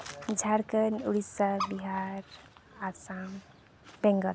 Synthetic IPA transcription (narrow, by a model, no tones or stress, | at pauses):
d͡ʒʱaɽkənuɽisabiɦaɾasam | bẽŋɡəɾ